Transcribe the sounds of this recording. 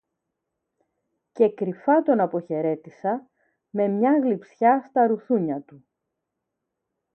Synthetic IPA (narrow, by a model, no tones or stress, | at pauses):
ce̞kɾifɐt̪o̞nɐpo̞çe̞ɾe̞t̪isɐ | me̞mɲɐɣlipsçɐst̪ɐɾuθuɲɐt̪u